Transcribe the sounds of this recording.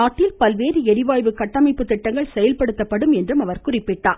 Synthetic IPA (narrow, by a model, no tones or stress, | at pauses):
aːʈːɪlpɐlʋeːɾɯɛɾɪʋaːjʋɯkɐʈːɐmɐɪpːɯt̪ːɪʈːɐŋɡɐɭsɛjɐlpɐɽɯt̪ːɐpːɐɽɯmɛndrɯmɐʋɐɾkʊrɪpːɪʈːa̰ː